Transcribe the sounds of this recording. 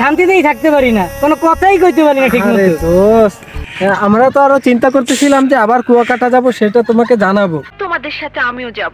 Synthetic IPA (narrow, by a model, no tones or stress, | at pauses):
ʃant̪it̪ejt̪ʰak̚t̪epaɾinakonokɔt̪ʰajkojt̪̬epaɾinatʰiaɾeos | amɾat̪oaɾot͡ɕint̪akoɾt̪et͡ɕʰilamd͡ʑeabaɾkuakaʈad͡ʑaboʃeʈat̪omaked͡ʑanabot̪omad̪eɾʃat̪ʰeamiod͡ʒabo